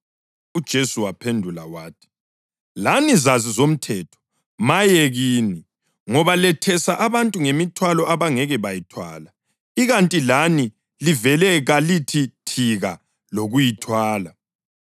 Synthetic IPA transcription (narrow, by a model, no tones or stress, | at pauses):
ud̥ʒ̥ʱesuwapʰendʱula̰waːtʰi̥ | lanizazizom̩tʰɛtʰɔ̥ | majeɣiːni | ŋɔβalɛtʰɛsaʔaβantʼuŋemitʰwalɔʔaβaŋɛɣɛβajitʰwa̰ːla | iɣantʼilani | livɛlɛɣalitʰitʰiɣa | loɣujitʰwaːla